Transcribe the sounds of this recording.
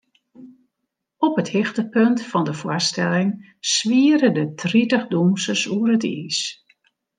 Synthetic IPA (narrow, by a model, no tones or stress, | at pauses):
ɔpəthɪxtəpøntfɑndəfwastɛlɪŋ | sʋiːəɾədətʰritəχdumsəsuərətḭːs